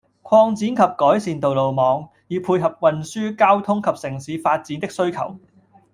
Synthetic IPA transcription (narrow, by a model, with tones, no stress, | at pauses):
kʷʰɔː˧ŋt͡siː˨˥nkʰɐ˨p̚kɔː˨˥jsiː˨nt̪o˨wlo˨wmɔː˨˧ŋ | jiː˨˧pʰuː˧jɦɐ˨p̚wɐ˨nsyː˥kaː˥wt̪ʰʊ˥ŋkʰɐ˨p̚sɪ˨˩ŋsiː˨˥faː˧t̚t͡siː˨˥nt̪ɪ˥k̚sɵ˥ɥkʰɐ̰˨˩w